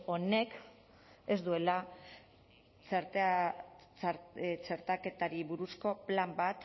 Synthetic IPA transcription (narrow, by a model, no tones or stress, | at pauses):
o̞ne̞k | e̞zd̪ue̞la | ɾ | t͡seɾt̪ake̞t̪aɾiβuɾusko̞plambat̪